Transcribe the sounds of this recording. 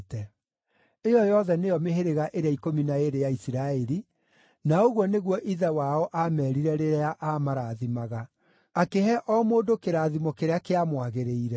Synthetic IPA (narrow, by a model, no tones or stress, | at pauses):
tɛ | ejɔjɔðɛnejɔmeɦeɾeɣaʔeɾeaikominaeɾejaisiɾaɛɾi | naoɣwɔneɣwɔʔiðawaɔʔamɛːɾiɾɛɾeɾeaʔamaɾaðimaɣa | akeɦɛʔɔmoːdokeɾaːðimɔkeɾeakeamwaɣeɾeiɾɛ